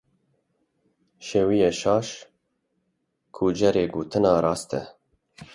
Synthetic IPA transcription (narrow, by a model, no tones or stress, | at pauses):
ʃewijɛʃɑːʃ | kʰuːd͡ʒɛɾeːɡoːt̪ʰɨnɑːɾɑːst̪ʰɛ̰